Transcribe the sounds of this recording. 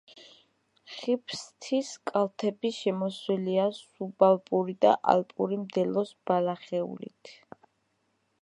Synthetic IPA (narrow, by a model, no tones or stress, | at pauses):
χipʰst̪ʰiskʼalˠt̪ʰɛbiʃɛmɔswɛliasubalˠpʼuɾid̪a̰ʔa̰lpʼuɾimd̪ɛlɔsb̥alaχɛṵlḭt̪ʰ